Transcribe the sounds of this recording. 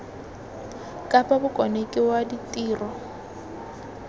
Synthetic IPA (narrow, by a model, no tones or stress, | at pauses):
kʼapʼabʊkʼɔnekʼɪwaditʼiːrɔ